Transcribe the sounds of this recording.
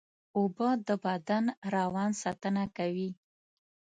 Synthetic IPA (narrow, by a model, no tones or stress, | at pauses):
obəd̪əbad̪anɾawɑnsɑt̪ənakawi